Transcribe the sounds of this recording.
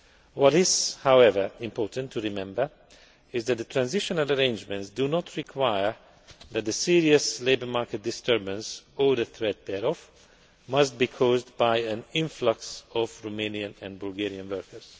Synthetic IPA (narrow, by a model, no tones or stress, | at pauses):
wɔɾɪz̥hawɛvə˞ɪ̃mpɔːɹtə̃ntʰːuɹimɛ̃mbə˞ | ɪzðæt̚d̪ətʰɹæ̃nzɪʃɔnələɹẽɪ̃nd͡ʒmɛ̃ntsdunɔtʰɹikʰwajəɹ | ðæt̪̚ðəsiɹiɨsleɪbə˞maɹkɛt̚dɪstʰɜɹbə̃nsɔðəθɹɛt̪̚ðɛɾɔf | mʌst̚biːkʰɔzdbaɪæ̃nɪ̃ɱflʌksɔvɹomẽniə̃nɛ̃nbʊlɡɛɹiə̃nwɜ˞kə˞z̥